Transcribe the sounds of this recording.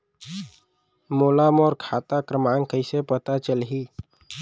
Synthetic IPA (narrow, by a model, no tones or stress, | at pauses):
moːlamɔːɾkʰat̪akɾəmaŋkəɪsepət̪at͡ʃəlɦiː